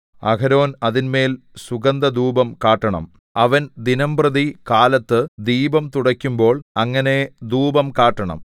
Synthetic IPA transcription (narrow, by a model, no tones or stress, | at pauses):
ɐ̰kɐɾo̞ːnɐðinme̞ːl | suɡɐnd̪ɐd̪uːbɐmkaːʈːɐɳɐ̰m | ɐʋɐnd̪inɐmprɐðikaːlɐt̪ːɨd̪iːbɐmt̪uɽɐkʲːumbo̞ːɭɐŋːɐne̞d̪uːbɐmkaːʈːɐɳɐ̰m